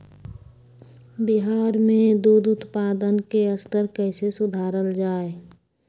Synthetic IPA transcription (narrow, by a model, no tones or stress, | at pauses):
bɪɦaːɾmẽd̪uːd̪ʊt̪paːd̪ənkeəst̪əɾkɛːsesʊd̪ʱaːɾəld͡ʒaːe